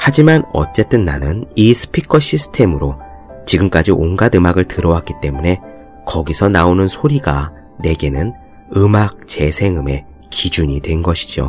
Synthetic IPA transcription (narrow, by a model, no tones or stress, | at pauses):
had͡ʑimanʌ̰t͡ɕ͈e̞t͈ɯnːa̰nɯnisʰɯ̥pʰikʰʌɕʰisʰɯ̥tʰe̞mɯɾo | t͡ɕiɡɯmk͈ad͡ʑiʔonɡadɯmaɡɯɭtɯɾʌwak͈it͈e̞mune̞ | kʌɡisʰʌnaonɯnsʰoɾiɡa | ne̞ɡe̞nɯn | ɯmak̚t͡ɕ͈e̞sʰe̞ŋɯme̞ | kid͡ʑuɲidwe̞nɡʌɕʰi̥d͡ʑo̰